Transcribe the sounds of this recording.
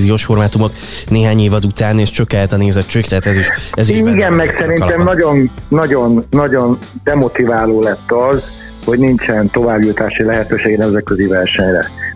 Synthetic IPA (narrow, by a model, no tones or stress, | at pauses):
zijoːʃfo̞rmaːt̪umo̞k | neːɦaːɲeːvɒd̪ut̪aːneːʃt͡ʃøkɛɛt̪ɒneːzɛtt͡ʃøːkt̪ɛɦːt̪ɛziʃɛziiɲiɡɛmmɛksɛɾinɛmnɒɟo̞nːɒɟo̞nːɒɟo̞nd̪ɛmo̞t̪ivaːloːlɛt̪ːɒz | ho̞ɟnint͡ʃɛnt̪o̞vaːbjut̪aːʃilɛɦɛt̪øːʃeːɡɛnɛmzɛt̪̚køzivɛrʃɛɲrɛ̰